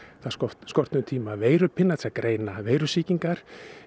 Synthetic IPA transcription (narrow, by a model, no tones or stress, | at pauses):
θaðsɔskɔr̥t̪nʏmt̪ʰiːmaveːjɾʏpʰɪnːat̪sakɾʔeːjnaveːjɾʏsiːciŋkaɾ̥